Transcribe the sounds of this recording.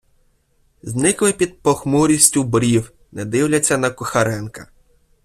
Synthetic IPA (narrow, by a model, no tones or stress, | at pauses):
znɪklɪpʲid̪̚pɔxmuɾʲisʲtʲʊbɾʲiw | nɛd̪ɪwlʲɐt͡sʲːɐnɐkʊxɐɾɛnkɐ